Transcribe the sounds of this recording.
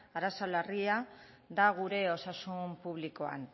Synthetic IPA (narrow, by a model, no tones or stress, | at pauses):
aɾasalaria | ðaɣ̞uɾe̞o̞sasumpuβliko̞a̰n